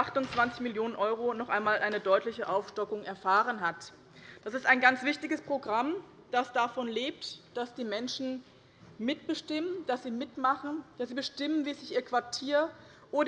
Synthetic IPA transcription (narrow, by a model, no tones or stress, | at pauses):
aχtʊnt͡sv̥ant͡sɪçmɪljoːnənʔɔʏʁ̞onɔχʔaɪnmaːlʔaɪnədɔʏtlɪçəʔaʊfʃtɔkʊŋʔɛɐfaːʁ̞ənɦat | d̥asɪstaɪnɡant͡sv̥ɪçtɪɡəspʁ̥oɡʁam | d̥asd̥afɔnleːp̚td̥asd̥iːmɛnʃn̩ | mɪt̚b̥əʃtɪmənd̥asz̥iːmɪtmaχn̩d̥asz̥iːbəʃtɪmənviːsɪçʔiːɐkv̥aɐtʰiːɐ | ʔoːɾ